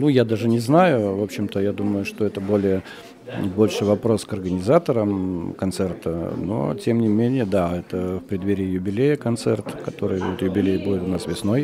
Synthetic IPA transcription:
nujad̪aʐɨnʲɪznajʊvo̞pɕːɪmt̪əjad̪uməjʊʂt̪o̞ɛt̪əbo̞lʲɪjə | bo̞lʲʂɨvɐpɾo̞skɐrɡənʲɪzat̪əɾəmkɐnt̪sɛrt̪ə̰no̰tʲe̞mnʲɪmʲenʲɪjəd̪aɛt̪əfpɾʲɪd̪vʲeɾʲɪjəjʊbʲɪlʲejəkɐnt̪sɛ̰rt̪kɐt̪o̞ɾɨjvot̪jʊbʲɪlʲejbudʲɪt̪ʊnasvʲɪsno̞j

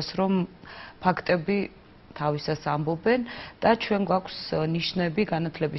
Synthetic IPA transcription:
sɾɔmpʰakʰt̪ʼɛbi | t̪ʰavisasambɔbɛnd̪̥at͡ʃʰwɛŋɡwakʷʰsniʃnɛbiɡanat̪ʰlɛbi

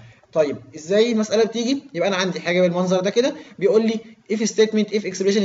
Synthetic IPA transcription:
t̪ˤɑjːeb̚ʔezːæːjelmæsʔælæbet̪iːɡijebʔænæʕand̪iħaːɡæbelmɑnzˤɑɾˤd̪æked̪æbejʔuːlːiːʔefest̪eːt̪ment̪ʔefʔeksebleʃen

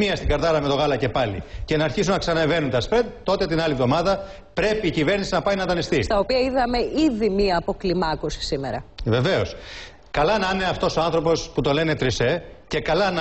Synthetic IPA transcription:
miɐst̪iɡɐɾðɐɾɐme̞t̪o̞ɣɐlɐce̞pɐlḭce̞nɐːɾçisunːɐksɐnɐeve̞nunt̪ɐspet̪o̞t̪e̞t̪inɐlivðo̞mɐðɐ | pɾe̞piːcive̞ɾnisinɐpɐjnɐt̪ɐnist̪ist̪ɐopiɐiðɐme̞ʔiðimiɐːpo̞klimɐkusi̥simeɾɐ̰ve̞ve̞o̞s | kɐlɐnɐne̞ɐft̪o̞so̞ɐnθɾopo̞sput̪o̞le̞ne̞t̪ɾise̞ce̞kɐlɐn

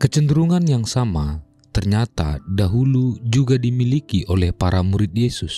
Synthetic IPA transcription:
kət͡ʃəndɾuŋanjaŋsama | t̪ərɲat̪a̰daɦulud͡ʒuɡadimilikiʔolɛhpaɾamuɾɪt̪̚jɛsus

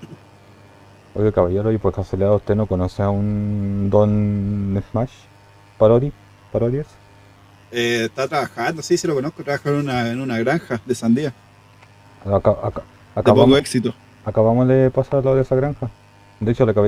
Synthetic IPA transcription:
ojekaβaʝeɾojpwekaseleaauht̪enokonoseaund̪onːesmaʃ | paɾoɾi | paɾoðjes | eet̪at̪ɾaβaxand̪osiselokonokot̪ɾaβaxanunaenunaɣɾaŋxaðesand̪ia | akaaka | akaβpakoeksit̪o | akaβamoðepasaɾalːaoðesaɣɾaŋxa | d̪et͡ʃolakaβa

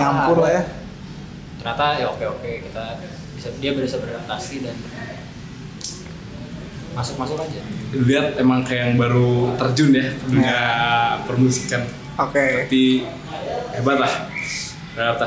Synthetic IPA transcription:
ampʊrlaja | t̪ərɲat̪ajaokeokekit̪a | bisadiabəɾisabərat̪asidan | masʊk̚masʊkad͡ʒaliɦat̪̚emaŋkajaŋbaɾut̪ərd͡ʒʊnjaduɡapərmusikan | okeat̪i | ebat̪lah | at̪a

